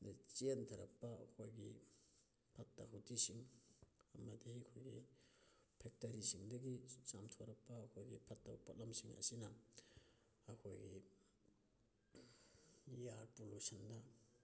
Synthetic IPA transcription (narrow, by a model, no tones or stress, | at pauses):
nt͡ʃentʰɐɾɐ̰kpɐɐkʰojɡi | pʰɐtːa̰ɦutisiŋ | ɐmɐdikʰojɡi | pʰek̚tɐɾisiŋdɐɡisamtʰoɾɐpːɐːkʰojɡḭpʰɐtːapʰot̚lamsiŋɐ̰sinɐ | ɐkʰojɡi | jaɾpolusɐndɐ